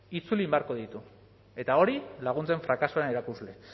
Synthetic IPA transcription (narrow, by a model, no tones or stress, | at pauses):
it͡sulimbeaɾko̞ðit̪u | e̞t̪aoɾilaɣ̞unt͡se̞ɱfɾakasuaeneɾakuzle̞